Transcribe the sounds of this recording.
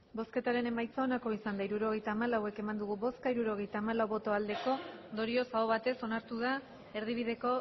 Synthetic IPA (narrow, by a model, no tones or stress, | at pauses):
bo̞ske̞t̪aɾe̞ne̞majt͡sao̞nako̞isand̪aiɾuɾo̞ɣ̞e̞jt̪aːmalawe̞ke̞mand̪uɣ̞uβo̞skaiɾuɾo̞ɣ̞e̞jt̪aːmalawβo̞t̪o̞ald̪e̞ko̞nd̪o̞ɾio̞saoβat̪e̞so̞naɾt̪uð̞a | e̞ɾð̞iβ̞iðe̞ko̞